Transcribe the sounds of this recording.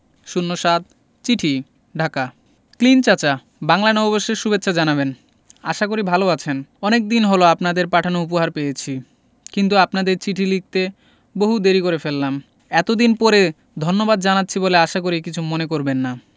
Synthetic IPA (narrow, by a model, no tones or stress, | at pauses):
ʃunːoʃad̪̚ | t͡ɕiʈʰi | ɖʱaka | klint͡ɕat͡ɕa | baŋlanɔoboʃːeɾʃubetːɕʰad͡ʑanaβen | aʃakoɾibʱaloat͡ɕʰenɔnek̚d̪inɦoloapnad̪eɾpaʈʰanoup̬oɦaɾpejet͡ɕʰi | kint̪uapnad̪eɾt͡ɕiʈʰilik̚t̪e | boɦud̪eɾikoɾefelːam | ɛt̪od̪inpɔɾe | d̪ʱonːobad̪̚d͡ʑanat̪ːɕʰiboleaʃakoɾikit͡ɕʰumonekoɾbenːa